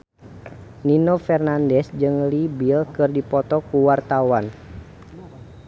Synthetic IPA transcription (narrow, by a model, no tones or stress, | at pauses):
ninofɛrnandɛsd͡ʒɨŋlibilkɨrdipɔt̪ɔkuwart̪awan